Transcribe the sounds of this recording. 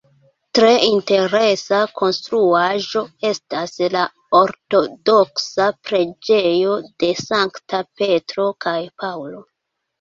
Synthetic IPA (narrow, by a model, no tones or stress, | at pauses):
tɾe̞inte̞ɾe̞sakʰo̞nstɾuaʒo̞e̞stasla | oɾto̞do̞ksapɾe̞d͡ʒe̞jo̞d̥e̞saŋktʰape̞tɾo̞kajpawlo̞